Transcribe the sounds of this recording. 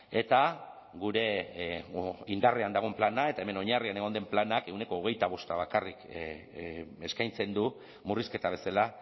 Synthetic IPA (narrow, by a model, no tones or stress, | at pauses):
e̞t̪a | ɣuɾe̞ | ind̪areand̪aɣ̞o̞mplanae̞t̪aeme̞no̞ɲarianeɣ̞o̞nd̪e̞mplanake̞wne̞ko̞ːɣ̞e̞jt̪aβ̞o̞st̪aβakarik | eskajnt͡se̞nd̪u | muriske̞t̪aβ̞e̞sala